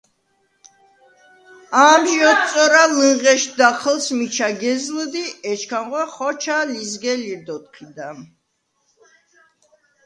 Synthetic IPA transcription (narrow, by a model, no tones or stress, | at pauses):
amʒɔt̪̚sʼɔɾaləɴʁɛʃd̪aχʰəlsmit͡ʃʰaɡɛzld̪iɛt͡ʃʰkʰamʁwɛχɔt͡ʃʰalizɡɛliɾd̪ɔt̪̚qʰid̪a